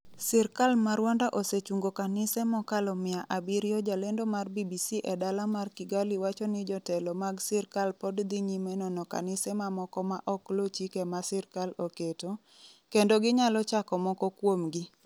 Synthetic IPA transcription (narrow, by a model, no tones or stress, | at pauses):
sɛrkalmaɾwɔndaʔoset͡ʃuŋɡokanɪsɛmɔkalɔmɪaʔabiɾjɔd͡ʒalendomarbibisiʔɛdalamarkɪɡaliwat͡ʃɔnɪd͡ʒɔtɛlɔmaɡsɛrkalpɔdd̪iɲimɛnɔnɔka̰nɪsɛmamɔkɔmaʔɔklot͡ʃikemasɛrkaloketo | kendoɡɪɲalɔt͡ʃakɔmɔkɔkwomɡɪ